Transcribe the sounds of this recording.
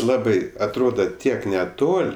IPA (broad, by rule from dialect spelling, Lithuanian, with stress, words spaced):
ˈlˠɑːbɐɪ ɐtˈroːdɐ ˈtʲiɛk nʲɛˈtoːlʲ